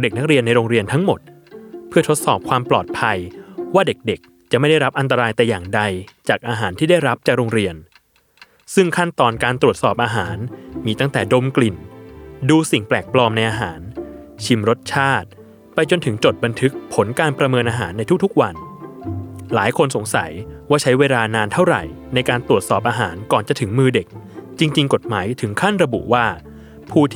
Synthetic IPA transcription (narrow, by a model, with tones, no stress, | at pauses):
de˨˩k̚na˦˥k̚ɾi˧ənːa˧jɾoː˧ŋɾi˧ənt̪ʰa˦˥ŋmo˨˩t̪̚ | pʰɯ˥˩ɐt̪ʰo˦˥t̪̚sɔː˨˩p̚kʰwaː˧mplɔː˨˩t̪̚pʰa˧jwaː˥˩de˨˩k̚de˨˩k̚ | t͡ɕa˨ʔma˥˩jda˥˩jɾa˦˥p̚ʔa˧nt̪a˧ɾaː˧jt̪ɛː˨˩jaː˨˩ŋda˧jt͡ɕaː˨˩k̚ʔaː˧ɦaː˩˦nt̪ʰiː˥˩da˥˩jɾa˦˥p̚t͡ɕaː˨˩k̚ɾoː˧ŋɾi˧ən | sɯ˥˩ŋkʰa˥˩nt̪ɔː˨˩nkaː˧nt̪ɾu˨˩ət̪̚sɔː˨˩p̚ʔaː˧ɦaː˩˦nmiː˧t̪a˥˩ŋt̪ɛː˨˩do˧mkli˨˩nduː˧si˨˩ŋplɛː˨˩k̚plɔː˧mna˧jʔaː˧ɦaː˩˦nt͡ɕʰi˧mɾo˦˥t̪̚t͡ɕʰaː˥˩t̪̚ | pa˧jt͡ɕo˧nt̪ʰɯ˩˦ŋt͡ɕo˨˩t̪̚ba˧nt̪ʰɯ˦˥k̚pʰo˩˦nkaː˧npɾa˧mɤː˧nʔaː˧ɦa̰ː˩˦nːa˧jt̪ʰu˥k̚t̪ʰu˥k̚wa˧n | laː˩˦jkʰo˧nso˩˦ŋsa̰˩˦jwaː˥˩t͡ɕʰa˦˥jweː˧laː˧naː˧nt̪ʰa˥˩wɾa̰˨˩j | na˧jkaː˧nt̪ɾu˨˩ət̪̚sɔː˨˩p̚ʔaː˧ɦaː˩˦nkɔː˨˩nt͡ɕa˨˩t̪ʰɯ˩˦ŋmɯː˧de˨˩k̚t͡ɕi˧ŋt͡ɕi˧ŋko˨˩t̪̚maː˩˦jt̪ʰɯ˩˦ŋkʰa˥˩nɾa˧bṵ˨˩waː˥˩ | pʰuː˥˩t̪ʰ